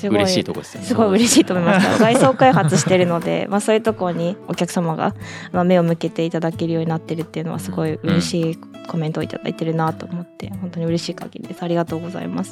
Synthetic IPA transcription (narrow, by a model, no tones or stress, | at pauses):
sɨɡoit̪o̰ko̰ssɨɡo̞iɯ̟ɾe̞ɕiːt̪omoimast̪a̰ɡaiso̞ːkaiɦat͡sɨɕi̥t̪e̞ɾɯ̟no̞d̪e̞̰masoːjɯ̟t̪o̞ko̞ɾoɲ̟iokʲakɯ̟̥samaɡa̰mame̞o̞mɯ̟ke̞t̪e̞it̪ad̪ake̞ɾɯ̟jo̞ːɲ̟inat̪ːe̞ɾɯ̟t̪ːe̞jɯ̟no̞βa̰sɨɡo̞iɯ̟ɾe̞ɕiː | ko̞mẽ̞nt̪oit̪a̰d̪a̰it̪e̞ɾɯ̟nat̪o̞ːmo̞t̪ːe̞̰hõ̞nt̪o̞ɲ̟iɯ̟ɾe̞ɕiːka̰ŋɡʲiɾʲḭd̪e̞sɨaɾʲiɡat̪o̞ːɡo̞za̰ḭma̰sɨ̥